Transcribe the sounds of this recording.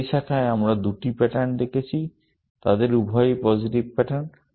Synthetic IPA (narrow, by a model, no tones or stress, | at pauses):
ʃakʰaeamɾad̪uʈipɛʈand̪ekʰet͡ɕʰi | t̪ad̪eɾubʱɔjpɔd͡ʑiʈibpɛʈan